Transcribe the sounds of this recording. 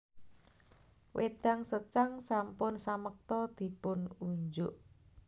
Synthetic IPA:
wʔed̪̥aŋsət͡ʃaŋsampʊnsamək̚t̪ɔd̪̥i̤pʊnuɲd͡ʒʊʔ

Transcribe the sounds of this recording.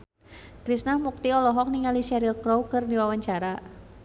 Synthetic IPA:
kɾisnahmuk̚t̪iɔlɔɦɔk̚niŋaliʃaɾilkɾowkɨrdiwawaɲt͡ʃaɾa

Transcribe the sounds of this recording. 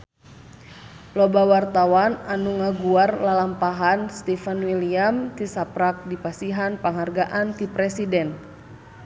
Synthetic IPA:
lɔbawart̪awananuŋaɡuarlalampaɦanst̪ifanwiliamt̪isapɾak̚dipasiɦanpaŋɦarɡaʔant̪ipɾɛsidɛn

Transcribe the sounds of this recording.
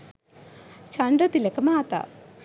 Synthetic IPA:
t͡ʃɐɳɖɾɐt̪ilekɐmaːt̪a̰

